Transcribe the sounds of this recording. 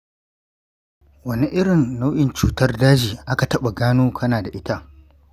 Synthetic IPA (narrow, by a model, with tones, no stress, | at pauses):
wɐ˦ni˨ʔɪ˦ɽɪ˨nːa˦wʔɪ˨nt͡ʃuː˨tɐ˦rdaː˦d͡ʒiː˨ʔa˦ka˨tɐ˦ɓa˨ɡaː˦nuː˦kʰɐ˦naː˨da˨ʔɪ˦ta˦ʔ